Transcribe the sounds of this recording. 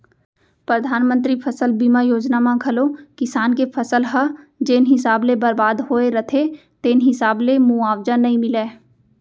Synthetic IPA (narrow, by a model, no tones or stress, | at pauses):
pɾəd̪ʱaːnmə̃nt̪ɾipʰɐsəlbimajoːd͡ʒnamãkʰəlokɪsaːnkepʰɐsəlɦɐd͡ʒeːnɦɪsaːblebɐɾbaːd̪ɦoːeɾɐt̪ʰe | t̪eːnɦɪsaːblemũaːwd͡ʒənːɐĩmɪleː